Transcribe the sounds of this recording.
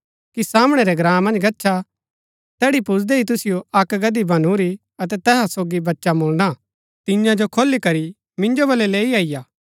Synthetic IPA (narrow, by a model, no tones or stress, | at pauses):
kisaːmɽ̃ɛɾɛɡɾãːmːɐ̃nd͡ʒɡɐtːʃʰa | t̪ɛːɽipʊsd̪eɦit̪ʊsɪjoɐkɡɐd̪ibʱɐnuɾi | ɐt̪̬ɛt̪ɛːɦasoːɡibɐtːʃamʊːlna | t̪ɪ̃jãd͡ʒokʰoːlːikɐɾi | mɪ̃nd͡ʒobɐlɛleːiaːɪjaː